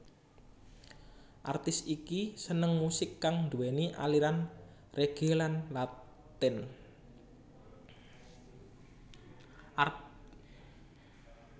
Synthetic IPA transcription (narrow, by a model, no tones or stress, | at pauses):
ʔa̰rt̪ɪsikisənəŋmusɪkːaŋnd̪uwɛniʔa̰liɾan | reɡ̥elanla | t̪ɪn